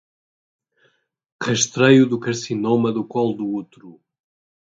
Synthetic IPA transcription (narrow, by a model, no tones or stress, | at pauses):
ʁəʃt̪ɾejuðukɐɾsinomɐðukɔlˠd̪uut̪ɾu